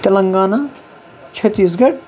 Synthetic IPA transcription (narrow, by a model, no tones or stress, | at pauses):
t̪ɐlɐŋɡaːna | t͡ʃʰɐt̪ːis̬ɡɐɽʲ